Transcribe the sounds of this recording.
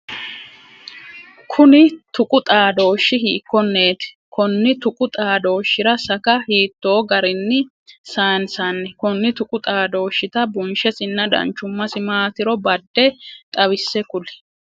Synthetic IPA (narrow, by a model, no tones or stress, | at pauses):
kʰʊnɪt̪ʊkʼʊt̪ʼaːd̪o̞ːʃːɪɦiːkːɔnːe̞ːt̪ɪ̥ | kɔnːɪt̪ʊkʼʊt̪ʼaːd̪o̞ːʃːɪɾɐsɐkɐhiːt̪ːo̞ːɡɐɾɪnːɪ | saːnsanːɛkɔnːɪt̪ʊkʼʊt̪ʼaːd̪o̞ːʃːɪt̪ɐbʊnʃɛsɪnːɐd̪ɐ̰nt͡ʃːʊmːɐsɪmaːt̪ɪɾɔbɐd̪ːɛt̪ʼɐβɪsːɛkʊlɪ̥